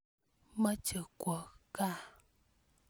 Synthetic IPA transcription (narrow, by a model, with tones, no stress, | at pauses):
mə˦t͡ʃə˨˩kwə˨ka˦˨